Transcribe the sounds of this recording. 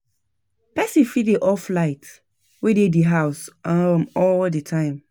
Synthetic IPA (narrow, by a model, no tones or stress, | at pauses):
pɛsifiiʔɔflaɪt | wedediɦaʊsamɔldətʰãɪ̃m